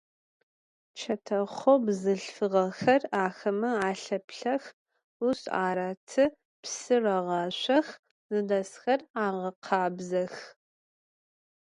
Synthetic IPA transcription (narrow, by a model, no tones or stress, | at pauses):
t͡ʃʰɐtʰɐχʷobzɨɬfɨʁɐxɐraːxɐmɐaːɬɐpɬɐx | usa̰ːɾaːtʰɨ | psɨrɐʁɑːɕʷɐx | zɨdɐsxɐraːʁɐqʰɑːbzɐx